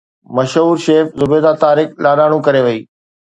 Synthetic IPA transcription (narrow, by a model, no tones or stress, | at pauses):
mɐʃɦuːɾʃeːfzʊbeːd̪at̪aːɾɪklaːɗaːɽ̃ũkɐɾeʋɐiː